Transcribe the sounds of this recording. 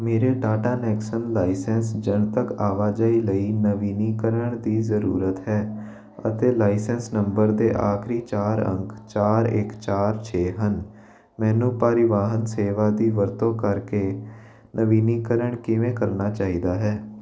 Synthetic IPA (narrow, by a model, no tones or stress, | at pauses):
meːɾeːɖaːʈaːnɛːksənlaːɪsɛ̃ːnsd͡ʒəɳt̪əkaːʋaːd͡ʒaːiːləiːnəʋiːniːkəɾəɳd̪iːzəɾuːɾət̪ɦɛː | ə̰t̪eːlaːɪsɛːnsnəmbəɾd̪eːʔaːkʰɾiːt͡ʃaːɾə̰̃ŋkt͡ʃaːɾɪ̰kt͡ʃaːɾt͡ʃʰeːɦən | mɛ̃ːnũːpaːɾɪʋaːɦənseːʋaːd̪iːʋəɾt̪õːkəɾkeː | nʔəʋiːniːkəɾəɳkɪʋẽːkəɾnaːt͡ʃaːiːd̪aːɦɛː